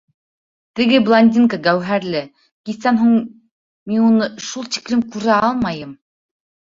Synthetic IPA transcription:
t̪ɘ̆ɡɘblˠanʲd̪ʲinkaɡæwɦæɾlɘ | kisænɦuɴ | minunɤʃulˠt̪i̥klɘmkʉɾæɑlˠmɑjɤm

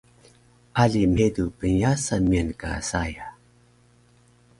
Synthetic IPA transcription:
ʔaɮim̤edupənjasamiənka̰saja

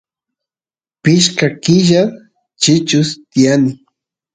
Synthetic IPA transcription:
pɪʃkakɪʒa | t͡ʃɪt͡ʃʊst̪ijanɪ

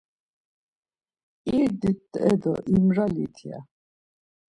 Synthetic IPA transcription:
iɾd̪it̪ːɛ̰d̪ɔ̰ʔimɾalḭt̪ʰija̰

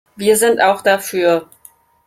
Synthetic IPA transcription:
viːɐzɪntaʊxd̥afyːɐ

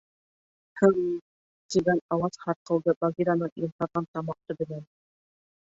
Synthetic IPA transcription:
hɤɴ | t̪iɡænɑwɑzhɑɾqɤ̆lˠd̪ɤbɑɡʲiɾanɤɴjimt̪ɑɾʁɑnt̪ɑmɑq̚t̪ɤbɘ̆læn

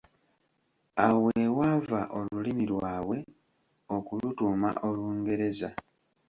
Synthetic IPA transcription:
awewaːvaʔo̞lulimilwaːwe̞ | o̞kulutuːma̰ʔo̞luːŋɡe̞ɾe̞za

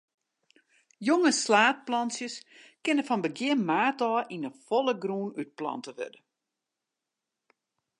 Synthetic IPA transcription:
joŋəslaːt̚plɑnsjəskɪnəfɔnbəɡjɪnmaːtɔːʔinəfolˠəɡruːnyt̚plɑ̰ntəʋø̰də

